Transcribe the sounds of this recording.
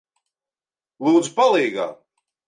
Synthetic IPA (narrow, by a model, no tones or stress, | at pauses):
lˠuːd̪zpalˠiːɡa̰ː